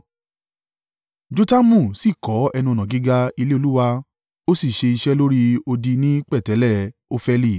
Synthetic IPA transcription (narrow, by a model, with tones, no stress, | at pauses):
d͡ʒo˧˦ta˦mũ˦˨si˦˨kɔ˨˦ɛ˧nũ˧nã˨ɡi˨˦ɡa˧i˧le˦o˧lu˦wa˧ | o˦si˦˨ʃe˧i˧ʃɛ˦lo˦ɾi˦o˧di˧nĩ˦k͡pɛ˦˨tɛ˨˦lɛ˦˨o˦fɛ˧li˦˨